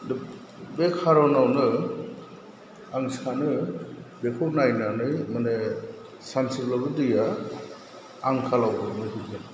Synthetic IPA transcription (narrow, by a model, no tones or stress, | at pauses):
d | bekʰaɾɔnawnɯ | aŋsanɯbekʰonajnanɯjmane | sansiblabɯdɯja | aŋkʰalawbʰɯnɯdɯɡen